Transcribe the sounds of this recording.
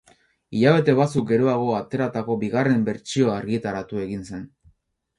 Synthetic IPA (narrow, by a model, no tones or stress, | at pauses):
iʎaβ̞e̞t̪e̞βat͡suk̚ɡe̞ɾoaɣ̞o̞at̪e̞ɾat̪ako̞biɣare̞mbe̞ɾt͡sio̞aɾɣiet̪aɾat̪ue̞ɣinse̞n